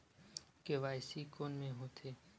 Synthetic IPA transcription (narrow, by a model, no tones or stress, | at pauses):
keːʋaːɪsikoːnmẽɦoːt̪ʰeː